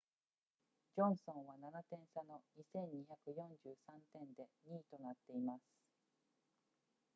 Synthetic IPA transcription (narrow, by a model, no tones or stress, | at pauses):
d͡ʑõ̞ɰ̃sõ̞ɰ̃βananat̪ẽ̞ɰ̃sano̞ɲ̟isẽ̞ɲ̟ːiçakɯ̟jõ̞ɲd͡ʑɨːsãnt̪ẽ̞nd̪e̞ɲ̟iːt̪o̞nat̪ːe̞imasɨ̥